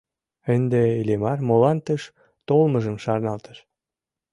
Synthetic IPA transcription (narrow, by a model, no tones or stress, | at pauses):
ənd̪eilemɑrmolɑnt̪əʃ | t̪olməʒəmʃɑrnɑlt̪ə̥ʃ